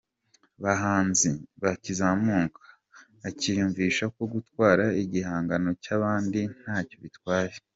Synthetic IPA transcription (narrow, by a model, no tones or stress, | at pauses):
βaɦaːnziβacizamuːŋkʰḁː | cijuɱviːʃakwoɡutwaːɾaiɟihaːŋɡano̞caβaːndin̥haːco̞βitwaːje